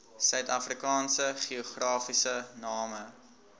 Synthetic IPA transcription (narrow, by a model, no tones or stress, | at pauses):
sœɥtɐfrikɑːnsəχiuχrɑːfisənɑːmə